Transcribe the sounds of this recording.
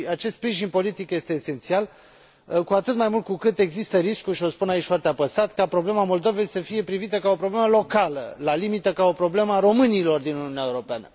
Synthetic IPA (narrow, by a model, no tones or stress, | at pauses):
at͡ʃest̪spɾiʒinpo̞lit̪ikje̞st̪e̞ːse̞nt̪sial | kuat̪ɨt̪majmult̪kukɨt̪e̞ɡzist̪əɾiskuʃio̞spunait͡ʃʲfwart̪eapəsat̪kapɾo̞ble̞mamo̞ld̪o̞ve̞jsəfije̞pɾivit̪əkao̞pɾo̞bleməlo̞kalə̰lalimit̪əkao̞pɾo̞ble̞məaɾo̞mɨnilo̞rd̪inuniuneaeuɾo̞peanə̰